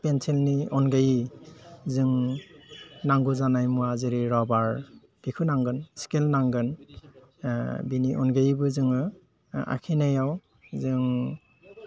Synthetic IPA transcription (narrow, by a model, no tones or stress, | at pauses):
penselniɔnɡaji | zɯŋ | naŋɡuzanajmuazɯɾiɾɔbaɹ | b̥ikʰɯnaŋɡɯnskelnaŋɡɯn | biniʔɔnɡajibɯzɯŋɯ | a̰kʰinajaw | zɯŋ